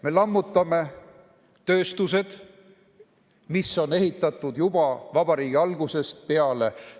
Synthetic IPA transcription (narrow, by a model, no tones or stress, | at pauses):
me̞lɑmːut̪ːˑɑme̞ | t̪ø̞ːst̪use̞d̪̥ | misːo̞ne̞ɦit̪ˑːɑt̪ˑːud̪jubɑvɑb̥ɑɾiːɡ̥iɑlɡ̥use̞st̪̚peɑle̞